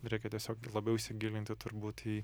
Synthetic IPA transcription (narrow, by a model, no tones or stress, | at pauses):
ɾʲɛɪkʲɛt̪ʲiɛsʲoːklˠɐbʲɛʊɪʃʲsʲɪɡʲiːlʲɪnt̪ʲɪt̪ʊɾbuːt̪iː